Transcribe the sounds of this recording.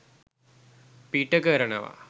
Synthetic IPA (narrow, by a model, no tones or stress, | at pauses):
piːʈːɐkɐːɾɐɳɐ̰ʋa̰